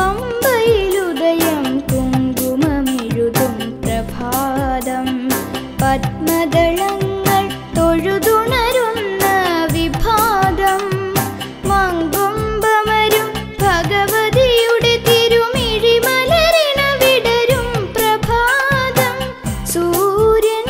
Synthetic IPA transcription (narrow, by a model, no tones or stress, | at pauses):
pɐm | bɐjlud̪ɐjɐmpuŋɡumɐmiɻud̪umpɾɐbʱaːd̪ɐm | pɐʈ̚mɐd̪ɐɭɐŋɡɐɭ | t̪oɻud̪uɳɐɾunːɐʋibʱaːd̪ɐm | mɐŋɡombɐmɐɾumbʱɐɡɐʋɐd̪ijuɽit̪iɾumiɻimɐlɐɾinɐʋiɽɐɾumpɾɐbʱaːd̪ɐm | suːɾjɐn